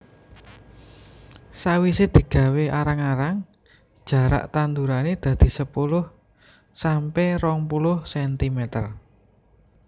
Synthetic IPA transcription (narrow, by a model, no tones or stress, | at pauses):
sawised̪̥i̤ɡ̥ä̤weʔaɾaŋaɾaŋ | d̥ʒ̥a̤ɾa̰ʔt̪and̪uɾaned̪̥ä̤d̪̥i̤səpulʊh | sampɛrɔŋpulʊhsɛnt̪imɛt̪ər